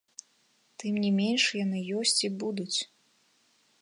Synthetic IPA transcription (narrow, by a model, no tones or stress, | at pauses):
t̪ɨmnʲimʲenʂjanɨjɔsʲt͡sʲibud̪ut͡sʲ